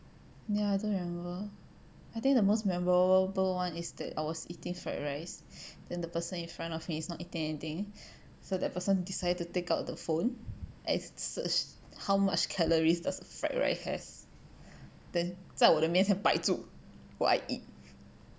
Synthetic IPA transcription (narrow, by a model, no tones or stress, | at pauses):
jaaɪdõnɹimɛ̃mmbə | ajt̪ɪ̃ŋk̚dəmosmɛmɔɹəəəbəlwãnisdɛ̰ta̰jwɔsitɪ̃ŋfɹɛ̰t̚ɹaɪsd̥ɛ̃ndəpəsə̃nĩnfɹãntɔfmiːsnɔtitɪ̃ŋɛnit̪ĩŋ | sodɛt̚pəsə̃ndisaɪdəd̚tutekaʊt̚dəfõnʔɛ̰̃nsət͡ʃ | hawma̰t͡ʃkʰɛləɹisdasfɹɛ̰t̚ɹa̰ɪshɛ̰s | d̥ɛ̃nsawɔtəmĩnsɛ̃npaɪtu | wɔ̰ʔa̰ɪʔit̚